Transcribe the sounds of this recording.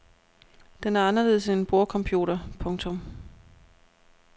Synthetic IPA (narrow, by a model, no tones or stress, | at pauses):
d̥enæɐɑ̈nɐle̝ð̩ˠsenb̥o̝ɐkʰɒ̽mpʰjṵːɾɐpʰɔ̽ŋt͡sʰɔ̽m